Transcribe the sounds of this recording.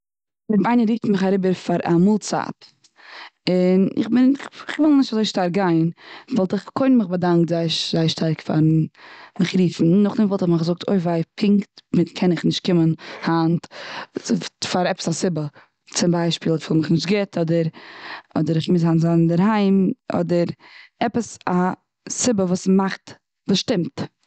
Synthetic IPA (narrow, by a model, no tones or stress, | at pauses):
ɪmaɪnəɾiːftmɪχaɾɪbəɾfaɾa̰muːlˠt͡sa̰p | ɪnɪ̰χbɪnɪχvɪlˠnɪʃtazoɪʃtaɾɡaɪnvɔlˠtɪχkʰonmɪχbadaŋk̚tzaɪʃzaɪʃtʰaɾkfa̰ɾmɪχɾiːfn̩nʊχdɪmvɔlˠtɪχmɪχzʊk̚tʰo̰ɪfvaɪpʰɪŋktmɪtkʰɛnɪχnɪʃt̚kɪmənhant | faɾɛpə̥sasɪbə | t͡sɪmbaɪʃpiːlˠfɪlˠmɪχnɪʃtɡɪtʰɔdəɾɔ̰dəɾɪχmɪshanzandəɾhaɪmɔ̰dəɾɛpəsa | sɪbəvuːsmaχt | vusʃtɪmt